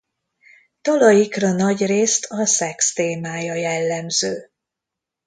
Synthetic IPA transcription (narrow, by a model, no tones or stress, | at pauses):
t̪ɒlɒjikrɒnɒɟreːst̪ʰɒsɛkst̪eːmaːjɒjɛlːɛmzøː